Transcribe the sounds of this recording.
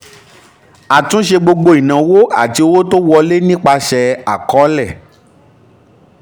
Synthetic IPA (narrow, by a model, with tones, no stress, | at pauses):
a˨tũ˨˦ʃ̬e˧ɡ͡bo˧ɡ͡bo˧˦i˨nã˨wo˦a̰˦˨ti˧o˧˦wo˦to˦wɔ˧le˦nĩ˦k͡pa˧ʃɛ˧a˨kɔ˨˦lɛ˦˨